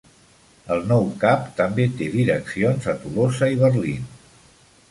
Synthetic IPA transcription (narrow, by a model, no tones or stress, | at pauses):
əlˠnɔwkapt̪əmbet̪eðiɾəksionzət̪ulosəiβəɾlin